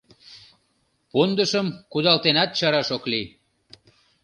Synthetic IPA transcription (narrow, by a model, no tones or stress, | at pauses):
pond̪əʃəmkud̪ɑlt̪enɑt̪̚t͡ɕɑɾɑʃokli